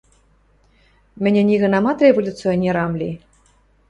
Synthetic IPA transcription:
mɘ̆nʲɘ̆nʲiɣɤ̆nɑmɑt̪rʲevolʲut͡sɨonʲːeɾɑmlʲi

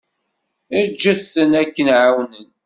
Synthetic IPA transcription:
id͡ʒːəθːənækːənʕawnən

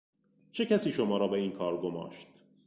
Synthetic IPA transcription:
t͡ʃʰe̞cʰæsiːʃomɒːɾɒːbeiːnkʰɒːɾɡomɒ̰ːʃt̪̚

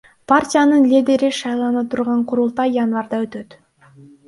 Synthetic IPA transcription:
pʰarʲtʲijanɯnlʲid̪ʲe̞ɾiʃɑjlˠɑnɑt̪ʰuɾʁɑɴqʰʊɾulˠt̪ɑjjanvɑɾd̪ɑø̞t̪ø̞t̪

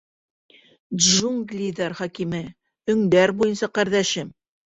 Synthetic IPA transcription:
ʒuŋɡlʲid̪aɾχɒkimɘ | ɵ̆ŋd̪æɾbujɤnsɑqæɾðæʃɘm

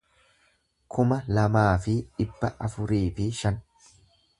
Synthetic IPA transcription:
kʰʊmɐlɐmaːfɪᶑɪbːɐʔɐfʊɾiːfɪʃɐn

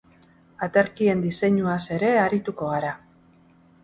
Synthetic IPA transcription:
at̪eɾkie̞nd̪ise̞ɲuase̞ɾe̞aɾit̪uko̞ɣ̞aɾa

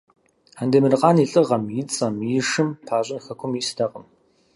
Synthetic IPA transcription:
ħandeːmɨrɨqʼɑːniːɬʼɨʁɐmjit͡sʼɐmjiʂɨmpʰaːɕʷʼɪnxɐkʷʰʊmistʰɐqʼəm

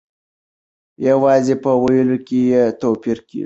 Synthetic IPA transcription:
jawɑzepəwajəlokʲejet̪opiɾkḛʐi

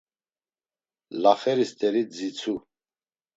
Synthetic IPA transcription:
laχɛɾist̪ʼɛɾid͡zit͡sʰu

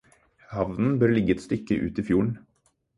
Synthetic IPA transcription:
hɑʋnn̩bœːɾɭɪɡːəɛt̪st̪ʏkːəʔʉ̰ːt̪iːfjuːɳ̩

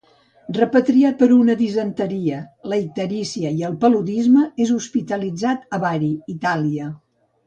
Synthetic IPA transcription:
rəpət̪ɾiat̪̚pəɾunəðizənt̪əɾiələit̪əɾisiəiəlˠpəluðizməezuspit̪əlid͡zat̪əβaɾiːt̪aliə

